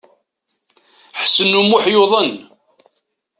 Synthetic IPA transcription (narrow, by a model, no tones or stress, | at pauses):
ħsənumʊħjoðˤən